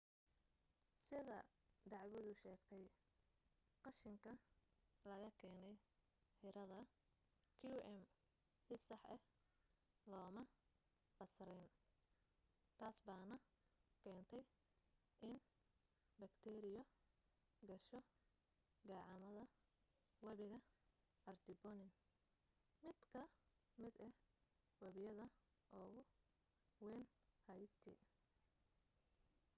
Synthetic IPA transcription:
sɪðɐd̪ɑʕwɔðʊʃɛːɡt̪ʰɛj | qɑʃɪŋkʰɐlɐɣɐkʰɛːnɛj | ħɪɾɐðɐ | kʰiuʔɛm | sɪsɑħɛ | lɔːmɐ | qɑsɾɛjn | t̪ʰaːsbaːnɐ | kʰɛːnt̪ʰɛj | ʔɪn | bɐkt̪ʰɛːɾɪjɔ | ɡɐʃɔ | ɡɑːʕɑmɐðɐ | wɐβɪɣɐ | ɐrt̪ʰɪbɔnɪn | mɪd̪kʰɐ | mɪd̪ɛ | wɐβɪjɐðɐ | ʔɔːɣʊ | wɛːn | hɐjt̪ʰḭ

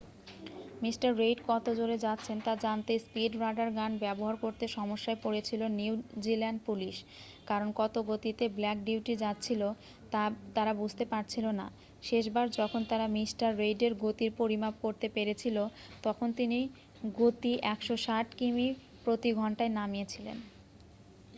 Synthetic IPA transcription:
misʈaɾːejɖkɔt̪od͡ʑoɾed͡ʑat̪ːɕʰent̪ad͡ʑant̪espiɖɾajɖaɾɡanbɛboɦaɾkoɾt̪eʃɔmoʃːaepoɾet͡ɕʰiloniud͡ʑilɛɳɖ̚puliʃ | kaɾonkɔt̪oɡot̪it̪eblɛk̚ɖiwʈid͡ʑat̪ːɕʰilo | t̪at̪aɾabud͡ʑʱt̪epaɾt͡ɕʰilona̰ | ʃeʃbaɾd͡ʑɔkʰont̪aɾamisʈaɾːejɖeɾɡot̪iɾpoɾimap̚koɾt̪epeɾet͡ɕʰilo | t̪ɔkʰont̪ini | ɡot̪iʔɛkʃoʃaʈkimi | pɾot̪iɡʱɔɳʈaenamijet͡ɕʰilḛn

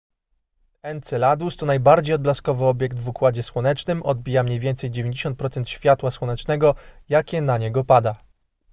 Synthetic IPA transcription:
ɛnt̪sɛlad̪ust̪ɔnajbaɾd͡ʑejɔd̪̚blaskɔvɘɔbʲjɛkt̪vukwad͡ʑɛswɔnɛt͡ʂnɘmʔɔd̪̚bʲijamɲejvʲɛnt̪sɛjd͡ʑevʲẽɲd͡ʑeɕɔnt̪̚pɾɔt̪sɛnt̪ɕfʲjat̪waswɔnɛt͡ʂnɛɡɔjakʲɛnaɲɛɡɔpad̪a

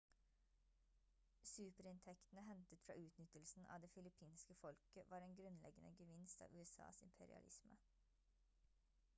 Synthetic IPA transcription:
sʉːpəɾɪnt̪ʰɛkt̪ən̩əɦɛnt̪ət̪fɾɑ̰ːʔʉːt̪nʏt̪əlsn̩ʔɑ̰ːʋd̪eːfɪlɪpʰiːnskəfɔlkəʋɑːɾeːnɡɾʉnlɛ̰ɡənə̰ɡəʋɪnst̪ɑ̰ːʋʉːɛsɑ̰ːsɪmpʰɛɾɪ̰ɑ̰lʔɪ̰smə

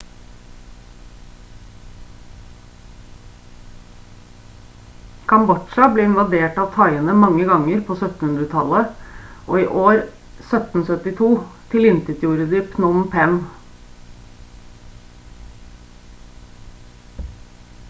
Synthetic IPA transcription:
kʰɑmbɔʃɑbleːɪnʋɑd̪eːʈɑːʋt̪ʰɑɪənəmɑŋːəɡɑŋːəɾpʰoːsœt̪n̩hʉnd̪ɾət̪ʰɑləʔoːiːʔoːɾ | sœt̪n̩sœt̪ɪt̪ʰuːt̪ʰɪlɪnt̪ət̪juːɾəd̪iːpnɔmpʰɛn

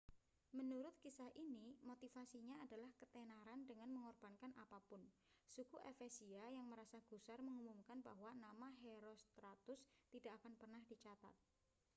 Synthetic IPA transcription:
mənuɾʊt̪̚kisahʔinimot̪ifasiɲaːdalahkət̪ɛnaɾandəŋanməŋɔrb̥ankanʔapapʊn | sukuʔefesiajaŋməɾasaɡ̥usarməŋumumkanba̰ɦwanamaɦeɾost̪ɾat̪ʊst̪idakakanpərnahd̥it͡ʃat̪a̰t̪̚

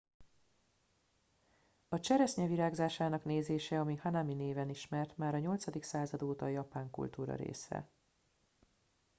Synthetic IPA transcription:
ɒt͡ʃɛɾɛsɲɛviɾaːɡzaːʃaːnɒkneːzeːʃɛɒmihanamineːvɛniʃmɛrt̪maːɾɒɲo̞lt̪sɒd̪iksaːzɒd̪oːt̪ɒjɒpaːŋkṵlt̪uːɾɒ̰ɾḛːsɛ̰

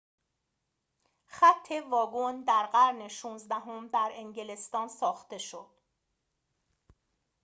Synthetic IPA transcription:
χæt̪ʰːe̞vɒːɡond̪æɾɢæɾne̞ʃuːnzd̪æɦomd̪æɾe̞ŋɟele̞st̪ɒːnsɒːxt̪e̞ʃod̪̥

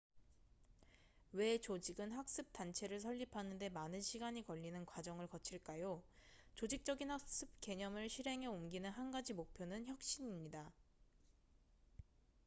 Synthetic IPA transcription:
we̞t͡ɕod͡ʑiɡɯnɦak̚s͈ɯp̚t͈ant͡ɕʰe̞ɾɯɭs̬ʰʌʎːipʰanɯnde̞manɯnɕʰiɡaɲikʌʎːinɯnkwad͡ʑʌŋɯɭkʌt͡ɕʰiɭk͈ajo | t͡ɕod͡ʑik̚t͡ɕ͈ʌɡinhak̚s͈ɯp̚ke̞ɲʌmɯɭɕʰiɾɦe̞ŋɦe̞umɡinɯnɦanɡad͡ʑimok̚pʰjonɯnçjʌk̚ɕ͈iɲimɲida

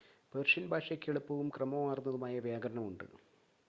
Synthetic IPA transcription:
ʋerʂɐnbʱaːʂɐkʲːeɭupːɐʋumkrɐmɐmaːrnːɐðumaːjɐʋjaːɡɐɾɐɳɐmuɳɖɨ̰

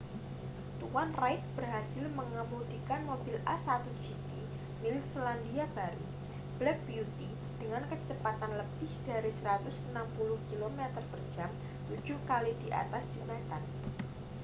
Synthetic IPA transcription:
t̪uwanraɪt̪̚b̥ərɦasɪlməŋəmudikanmobɪlʔasat̪ud͡ʒipi | milɪt̪̚solandiab̥aɾu | b̥lɛk̚biut̪i | d̥əŋankət͡ʃəpat̪anləpɪhd̥aɾisəɾat̪ʊsənampulʊhkilomɛt̪ərpər̥ʒ̥am | t̪u̥d͡ʒʊhkalid̥iʔa̰t̪asd̥ʒ̥əmat̪an

